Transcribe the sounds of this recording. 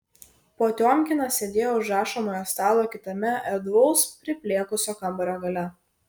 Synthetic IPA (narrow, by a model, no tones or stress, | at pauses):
poːt̪ʲoːmʲkʲɪnɐsʲeːd̪ʲeːjoʊʒɾɑːʃɐmoːjoːst̪ɑːlˠoːkʲɪt̪ɐmʲɛɛd̪ʋolˠspʲɾʲɪpʲlʲeːkʊsʲoːkɐmbɐɾʲoːɡɐlʲɛ